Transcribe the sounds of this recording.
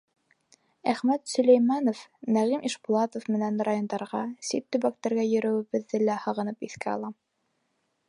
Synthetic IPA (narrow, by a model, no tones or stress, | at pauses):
æχmæt̪sɵ̆læjmɑnofnæʁimʔiʃbulˠɑt̪ofmɘ̆nænrajo̞nd̪ɑɾʁɑsit̪ːɵ̆βæk̚t̪æɾɡæjɵ̆ɾɵ̆wɘ̆βɘ̆ðːɘlæhɑ̆ʁɤ̆nɤpiθkæɑ̰lˠɑ